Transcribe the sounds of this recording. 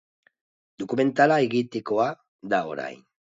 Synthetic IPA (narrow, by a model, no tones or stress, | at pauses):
d̪okume̞nt̪alaeɣit̪ekoa | d̪ao̰ɾa̰jn